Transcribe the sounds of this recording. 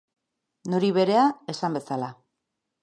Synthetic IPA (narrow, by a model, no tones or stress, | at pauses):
nuɾiβe̞ɾe̞ae̞sambe̞sala